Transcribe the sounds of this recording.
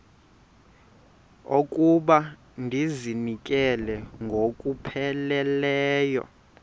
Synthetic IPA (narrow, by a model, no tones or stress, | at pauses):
okʼuɓa | ndʱizinikʼɛlɛŋɡʱokʼupʰɛlɛlɛːjɔ̰